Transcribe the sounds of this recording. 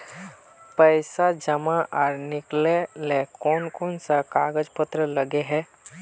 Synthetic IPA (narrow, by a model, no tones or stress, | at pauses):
pəɪsad͡ʒəmãʔaːɾnɪklelekɔːnkɔːnsakaːɡəd͡ʒpət̪ɾələɡeɦɛ̃ː